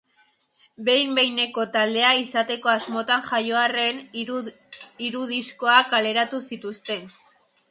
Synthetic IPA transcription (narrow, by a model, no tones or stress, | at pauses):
be̞jmbe̞jne̞ko̞t̪ald̪e̞aisat̪e̞ko̞azmo̞t̪anʝajo̞are̞n | iɾuðisko̞akale̞ɾat̪usit̪ust̪e̞n